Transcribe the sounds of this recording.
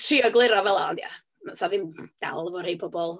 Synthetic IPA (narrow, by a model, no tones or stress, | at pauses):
tʰriːəɡlˠɪɾɔvɛlˠaɔndia̰ | masaðɪmd̥a̰lˠəvɔrhejpʰɔbɔlˠ